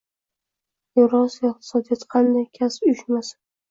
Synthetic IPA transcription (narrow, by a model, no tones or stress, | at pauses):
jʊɾɒzvaɪq̚t̪ʰɪ̥sɒd̪ijɒt̪qʰɑnd̪ajkʲʰasʊʃmasḁ